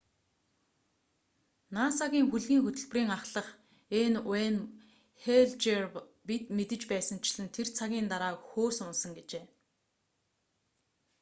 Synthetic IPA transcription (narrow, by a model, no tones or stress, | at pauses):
naːsaɣʲiːŋxuɮɣʲiːŋxɵt̪ɵ̆ɮpriːŋaχɮə̆χ | enwæːn | xeɮt͡ɕerpit̪met̪ɘ̆t͡ɕpæːsə̆nt͡ɕʰɪ̆ɮɘ̆nt̪ʰert͡sʰaɣʲiːnt̪aɾaːkxoːsʊnsə̆ŋɡet͡ɕeː